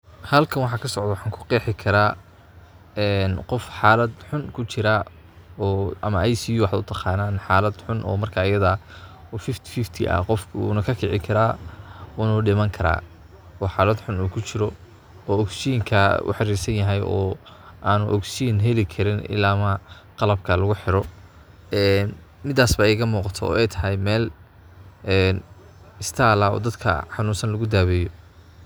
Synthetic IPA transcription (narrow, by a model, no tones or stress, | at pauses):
hɐlkʰɐnwɑħɑkʰɐsɔʕd̪ɐwɑħaːŋkʰʊ̥qɛːħɪkʰɐɾaː | ɛːnqɔfħaːlɐd̪ħʊnkʰʊt͡ʃɪɾa | ɔːʔɐmɐʔajsijuwɑħd̪ʊ̰t̪ʰɐqɑːnaːnħaːlɐd̪ħʊnʔɔ̰ːmɐrkʰaːɪjɐða | ɔːfɪft̪ʰɪ̥fɪft̪ʰɪ̰ʔɐ̰qɔfkʰṵnɐkʰɐkʰɪʕɪkʰɐɾaːunɐɖɪmɐŋkʰɐɾa̰ː | ɔːħaːlɐd̪ħʊnuːkʰʊt͡ʃɪɾɔ | ɔːɔɡsijŋkʰɐʊ̰ħɑɾiːrsɐnjɐɦɛjʔɔ̰ː | aːnʊʔɔɡsinɦɛlɪkʰɐɾɪnɪ̰laːmɐ | qɑlɐb̚kʰɐlɐɣʊħɪɾɔ | ɛːn | mɪd̪aːsbɐɛjɣɐmuːqɑt̪ʰɔɔ̰ːɛjt̪ʰɐɦɛjmɛːl | ɛn | ɪst̪ʰaːlaɔ̰ːd̪ɐd̪kʰɐ̰ħɑnuːnsɐnlɐɣʊd̪aːβɛːjɔ